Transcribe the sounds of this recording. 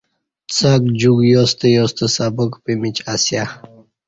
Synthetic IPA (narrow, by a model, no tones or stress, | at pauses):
t͡sakd͡ʑuɡjost̪ejost̪əsabɔkpimit͡ɕasja